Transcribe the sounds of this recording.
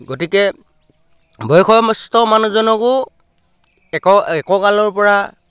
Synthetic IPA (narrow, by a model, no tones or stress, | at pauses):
ɡotikɛ | bʱɔjkʰɔmɔstɔmanuzɔnɔkʊ | ɛkɔɛkɔkalɔɹpɔɹa